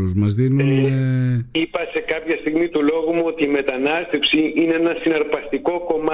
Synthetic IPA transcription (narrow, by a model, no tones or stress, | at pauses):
uzmɐzðinuneipɐse̞kɐpçɐst̪iɣmit̪ulo̞ɣumuo̞t̪iːme̞t̪ɐnɐst̪e̞fsiineenɐsinɐɾpɐst̪iko̞ko̞mɐ